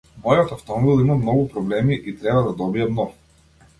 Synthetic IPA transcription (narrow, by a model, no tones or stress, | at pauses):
mɔjɔt̪aft̪ɔmɔbilˠimamnɔɡupɾɔblɛmiʔit̪ɾɛbad̪ad̪ɔbiamnɔɡu